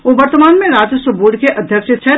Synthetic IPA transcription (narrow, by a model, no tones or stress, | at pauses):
oʋəɾt̪əmaːnmẽɾaːd͡ʒsəbuːɖkeʔɐd̪ʱjəkʃet͡ʃʰɛ